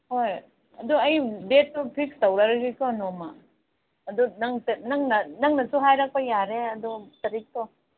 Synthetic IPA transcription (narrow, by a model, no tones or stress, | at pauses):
hoj | ɐ̰duɐjdet̚ːupʰik̚stɐwɾɐɾɐɡikɔnɔmɐː | dunɐŋtnɐŋnɐnɐŋnɐsuɦajɾɐk̚pɐjaɾeɐdutɐɾik̚tɔ